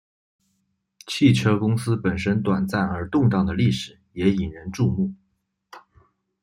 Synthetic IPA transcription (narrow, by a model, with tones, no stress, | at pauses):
t͡ɕʰi˥˩ʈ͡ʂʰɤ˥kʊ˥ŋsɹ̩˥pə˨˩nʂə˥nt̪wa˨˩nt͡sa˥˩nə˞˧˥t̪ʊ˥˧ŋt̪ɑ˥˩ŋd̪ə˩li˥˩ʂɻ̩˨˩˦jɛ˧˥i˨˩nɻə˧˥nʈ͡ʂu˥˧mu˥˩